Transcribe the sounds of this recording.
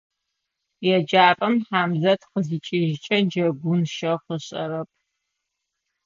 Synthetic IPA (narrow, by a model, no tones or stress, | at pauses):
jɛd͡ʒaːrʼɐmħaːmzɐtqəzɨt͡ʃʼɪʒt͡ʃʼɐd͡ʒɐɡʷʊnʃɐχəɕʼɐ̰ɾɐp̚ʰ